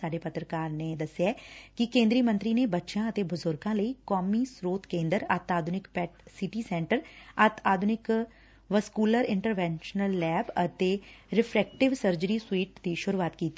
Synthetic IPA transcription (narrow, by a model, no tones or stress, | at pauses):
saːɖeːpət̪ɾəkaːɾneːd̪əsːɪjaːkɪkẽːnd̪ɾiːmə̃nt̪ɾiːneːbətːʃãːət̪eːbəzʊɾɡãːləiːkɔːmiːsɾoːt̪kẽːnd̪əɾət̪aːd̪ʱʊnɪkpɛːʈsɪʈiːsɛ̃ːɳʈəɾət̪aːd̪ʱʊnɪk | ʋəskuːləɾɪ̃ɳʈəɾʋɛ̃ːnʃənəlːɛːbət̪eːɾɪpʰɾɛːk̚ʈɪʋsəɾd͡ʒəɾiːswiːʈd̪iːʃʊɾuaːt̪kiːt̪ːi